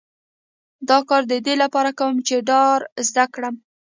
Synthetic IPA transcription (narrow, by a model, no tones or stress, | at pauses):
d̪ɑkɑɾd̪əd̪elapɑɾakawəmt͡ʃeɖɑɾzd̪akɽəm